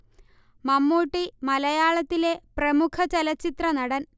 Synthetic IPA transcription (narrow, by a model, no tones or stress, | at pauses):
mɐmːuːʈːimɐlɐjaːɭɐt̪ːile̞prɐmukʰɐt͡ɕɐlɐt͡ɕːit̪rɐnɐɽɐn